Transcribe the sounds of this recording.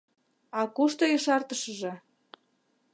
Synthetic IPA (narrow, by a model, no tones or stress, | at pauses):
ɑkuʃt̪ojiʃɑrt̪əʃəʒĕ